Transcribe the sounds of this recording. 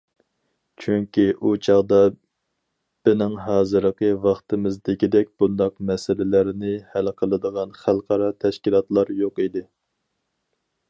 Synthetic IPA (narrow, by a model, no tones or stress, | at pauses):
t͡ʃʰyŋkʲiʔut͡ʃʰɑʁd̪ɑ | b̥ɪnɪŋɦɑːzɨɾəqʰəvɑχt̪ɨmɨzd̪ɪkʲid̪ɛk̚ʲb̥und̪ɑqmɛsɪlɪlæɾɪnɪhælqʰəlˠɨd̪əʁɑnχælˠqʰɑɾɑt̪ʰɛʃkʲilˠɑt̪lˠɑɾjoqid̪ɪ